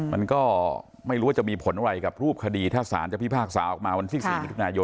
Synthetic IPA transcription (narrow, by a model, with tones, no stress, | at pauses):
ma˧nkɔː˥˩ | ma˥˩jɾu˦waː˥˩a˨˩miː˧pʰo˩˦nʔa˧wɾa˧jka˨˩p̚ɾuː˥˩p̚kʰa˧diː˧t̪ʰaː˥˩sa̰ː˩˦nt͡ɕa˨˩pʰi˥˩pʰaː˥˩k̚sa̰ː˩˦ʔɔː˨˩k̚maː˧wa˧nt̪ʰi˥˩siiː˨˩i˦˥t̪ʰu˧naː˧jo˧